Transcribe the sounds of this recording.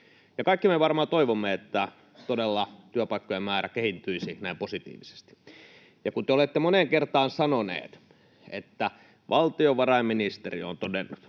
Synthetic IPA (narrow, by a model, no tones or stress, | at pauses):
jɑkɑikːimeʋɑrmɑːt̪oiʋomːeet̪ːæ | t̪odelːɑt̪yøpɑˑikːojemmæːɾækehit̪ːyisinæˑimposit̪ḭːʋise̥st̪i̥ | jɑkunt̪eolet̪ːemoneŋkert̪ɑːnsɑnonḛːt̪ | ḛt̪ːæ | ʋʔɑlt̪ioʋʋɑrɑimminist̪erḭo̰nt̪odenːut̪